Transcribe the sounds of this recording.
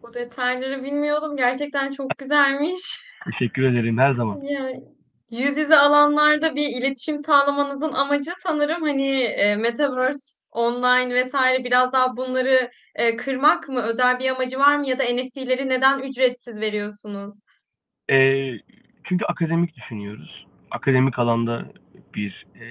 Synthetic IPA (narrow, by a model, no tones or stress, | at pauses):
bud̪e̞t̪ʰajlˠaɾɯbilʲmijo̞lˠumɟæɾt͡ʃʰɛc̚t̪ʰænt͡ʃʰo̞k̚ɟyzælʲmiʃt̪ʰeʃɛcːyɾe̞d̪eɾimhæɾzamanja | jyzjyzialˠanlˠaɾd̪abiilʲe̞t̪ʰi̥ʃimsaːlˠamanɯzɯnamad͡ʒɯsanɯɾɯmhaniɛːmet̪ʰavøɾso̞nlˠajnvɛsaːiɾɛbiɾazd̪aːbunlˠaɾɯː | kʰɯɾmakmɯø̞zælʲbiamad͡ʒɯvaɾmɯjad̪ae̞nɛct̪ʰilʲe̞ɾine̞d̪ænyd͡ʒɾɛt̪sizve̞ɾijo̞ɾsunuz̥ | ɛː | t͡ʃʰyɲcʰyakʰad̪e̞mic̚d̪yʃynyjo̞ɾuz̥ | a̰kʰad̪e̞micalˠand̪ab̥iɾ